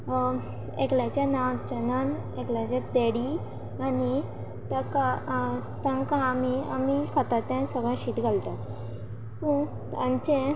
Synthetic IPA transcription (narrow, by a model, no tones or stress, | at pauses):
ḛkljat͡ɕjanãwt͡ɕənən | ekljat͡ɕad̪eɽi | ani | t̪akat̪ãŋkaːmia̰mikʰat̪at̪ãnsəbʱaɕiːt̪ɡʱalt̪at̪ | t̪ũ | t̪ãɲt͡ɕe